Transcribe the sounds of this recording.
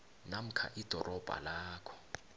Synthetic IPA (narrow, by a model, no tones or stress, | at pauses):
nam̩kʰa̰ʔid̥ʱɔrʔɔb̥ʱa̰laːkʰɔ̥